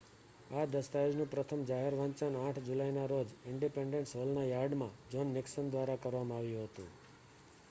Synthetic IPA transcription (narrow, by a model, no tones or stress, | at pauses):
ad̪əst̪ajod͡ʒnũpɾət̪ʰəmd͡ʒaɦeɾʋãnt͡ʃənãʈʰd͡ʒulajnaɾod͡ʒɪɳɖipeɳɖẽɳʈsɦolnajaɾɖmãd͡ʒɔnːɪksənd̪ʋaɾakəɾʋamãaʋjũɦət̪ṵ̃